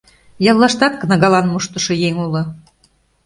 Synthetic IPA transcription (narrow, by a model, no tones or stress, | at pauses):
jɑlˠːɑʃt̪ɑt̪̚kɤ̆nɤ̆ɣɑlɑnmuʃt̪ɤ̆ʃɤ̆jeŋulɤ̆